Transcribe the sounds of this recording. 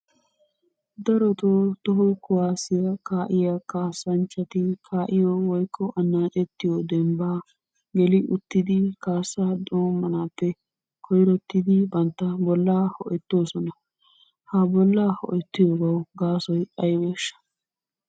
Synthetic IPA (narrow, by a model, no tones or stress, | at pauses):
d̪ɐɾɔt̪oːt̪ɔɦʊkʊwaːsɪjɐkaːʔɪjɐkaːsɐnt͡ʃʼːɐt̪ɪkʰaːʔɪjowɔjkʰːɔʔɐnːaːt͡ʃʼɛt̪ːɪjod̪ɛmbaː | ɡɛlɪʔʊt̪ːɪd̪ɪkaːsːaːd̪oːmːɐnaːpːɛ | kʰɔjɾɔt̪ːɪd̪ɪbɐnt̪ːɐbɔlːaːhɔ̰ʔɛt̪ːoːsɔnɐ | habɔlːaːhɔ̰ʔɛt̪ːɪjoːɡɐwɡaːsɔjɐjweːʃːɐ̥